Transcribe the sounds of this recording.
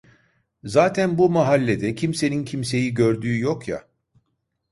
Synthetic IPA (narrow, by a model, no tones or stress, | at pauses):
zaːt̪ʰænbumaɦalʲːe̞d̪ɛcʰimse̞nincʰimse̞jiɟø̞ɾd̪yːjokja̰